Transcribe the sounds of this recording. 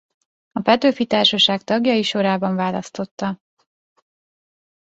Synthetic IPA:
ɒpɛt̪øːfit̪aːrʃɒʃaːkt̪ɒɡjɒjiʃo̞ɾaːbɒɱvaːlɒ̰st̪o̞t̪ːɒ

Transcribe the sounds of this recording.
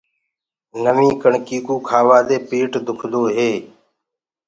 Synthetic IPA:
nəmĩːkəɳkiːkuːkʰaːʋaːd̪eːpiːʈd̪ʊkʰɗ̪oːɦeː

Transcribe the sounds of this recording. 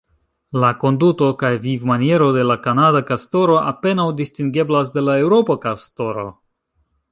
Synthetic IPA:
lako̞nduto̞kajvivmanije̞ɾo̞de̞lakanadakasto̞ɾo̞ʔape̞nawdistiŋɡe̞blas̬de̞lae̞wɾo̞pokasto̞ɾo̞̰

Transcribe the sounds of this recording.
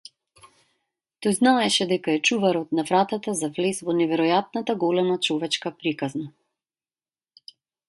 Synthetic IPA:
t̪ɔjznaɛʃɛd̪ɛkaɛt͡ʃuvaɾɔt̪̚navɾat̪at̪azavlɛsvɔnɛvɛɾɔjat̪̚nat̪aɡɔlɛmat͡ʃɔvɛt͡ʃkapɾikazna

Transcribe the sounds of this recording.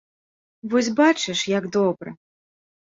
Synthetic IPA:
vɔsʲbat͡ʂɨʂjaɡd̪ɔbɾɨ̰

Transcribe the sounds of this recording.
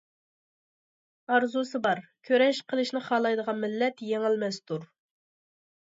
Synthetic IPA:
ɑɾzusɨbɑɾkʲʰøɾɛʃqʰəlˠɨʃnɪχɑːlˠɑjd̪əʁɑnmɪlːɛt̪jeŋɪlmɛst̪uɾ

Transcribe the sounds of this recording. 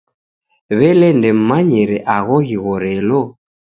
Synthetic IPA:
βɛlɛndɛm̩maɲɛɾɛʔaɣɔɣiɣɔɾɛlɔ

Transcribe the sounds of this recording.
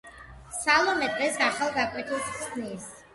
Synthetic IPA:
salˠɔmɛd̪ʼʁɛsaχalˠɡakʼwɛt̪ʰilˠssʰnis

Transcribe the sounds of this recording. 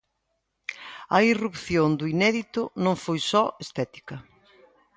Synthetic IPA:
ɐirupθjond̪uinɛðit̪ʊnõŋfojsɔest̪ɛt̪i̥kɐ

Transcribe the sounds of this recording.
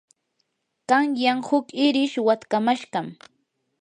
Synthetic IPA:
kaŋjaŋhʊkɪɾɪʃwat̪kamaʃɢɑm

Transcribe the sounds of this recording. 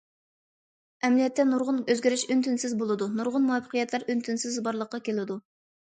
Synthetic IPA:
ɛmlijɛt̪ʰːɛnuɾʁʊnøzɡʲeɾyʃynt̪ynsɪzbolˠɨd̪unuɾʁʊnmuɑpʰːə̥qʰijɛt̪ʰlæɾynt̪ʰynsɪzbɑɾlˠəqːɑkʲʰelɪd̪u

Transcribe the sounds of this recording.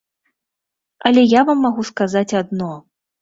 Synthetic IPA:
ɐlʲɛjavamːaɣuskazat͡sʲad̪nɔ

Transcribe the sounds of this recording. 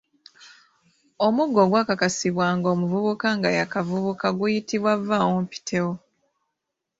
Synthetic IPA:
o̞muɡːo̞ɡwaːkakasiβwaːŋɡo̞ːmuvuβukaŋɡajakavuβukaɡujitiβwavːawompi̥tʰe̞wo

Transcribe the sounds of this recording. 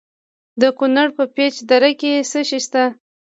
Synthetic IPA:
d̪əkunaɽpəpet͡ʃd̪aɾakesəʃiʃt̪a

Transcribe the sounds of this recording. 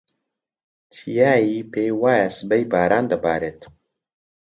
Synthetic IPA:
t̪ʰijaːjiːpeːjwaːjasɨbɐjbaːɾaːnd̪ɐbaːɾeːt̪

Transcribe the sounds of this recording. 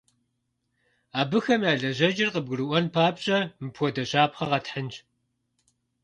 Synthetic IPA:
aːbɨxɐmjaːɮɐʑɐd͡ʒɪrqəb̚ɡɨɾɨʔʷɔnpʰaːpɕʼɐmɨpʰʷɔdɐɕaːpχɐʁɐtħənt͡ʃ

